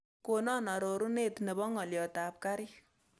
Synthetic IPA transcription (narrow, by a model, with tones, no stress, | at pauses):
ko˨nɔ˦na˨ɾo˨ɾu˦ne˦tne˨bɔ˦ŋɔ˨ljɔ˨ta˨p̚ka˦ɾi˦